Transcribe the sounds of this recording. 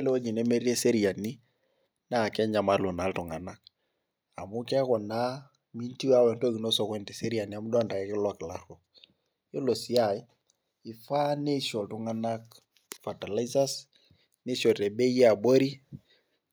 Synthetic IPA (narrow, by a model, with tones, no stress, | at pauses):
le˦o˦d͡ʒi˨ne˦me˦ɾi˦e˦se˦ɾi˨a˨ni˦ | na˦˨kɛ˦ɲa˨ma˦lu˨na˨ltu˨ŋa˨na˨k̚ | a̰˨mʊ˦kɛ˦kɔ˨na˦ | mi˦nti˦wa˦wɛ˨nto˦ki˨no˦sɔ˨kwɛ˦nte˨se˦ɾi˨a˨ni˨a˨mu˦da˦nda˨kɛ˨˦kɪ˦lwa˨kɪ˨la˦ɾo˨ | jo˦lo˨si˨a˨j | i˨fa˦ne˦ʃɔ˨ltu˦ŋa˦na˦k | fa˨ta˨la˦isa˦s | ne˦ʃɔ˨te˨be˦je˦a˨bo˦ɾi˦